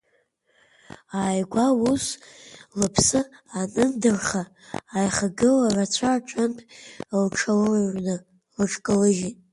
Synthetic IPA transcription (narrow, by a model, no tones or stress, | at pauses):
aːjɡʷauslɨpʰsɨanɨndɨrχaː | jχaɡɨlarat͡ɕʷʰaʈ͡ʂʷʰʼampʰlʈ͡ʂʰalʒnɨ | lɨʈ͡ʂʰʼkʼɨlɨʒitʼ